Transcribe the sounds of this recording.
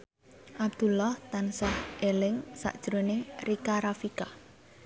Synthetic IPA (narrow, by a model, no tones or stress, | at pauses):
ʔab̚d̪̥ṳlɔht̪ansahʔelɪŋsa̰ʔd̥ʒ̥ɾonɪŋrikaɾafika